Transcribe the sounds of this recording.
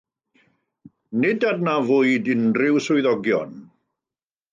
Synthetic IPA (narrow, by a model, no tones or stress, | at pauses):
nɪdadnavʊɨdɪnrɪwsʊjðɔɡjɔ̰n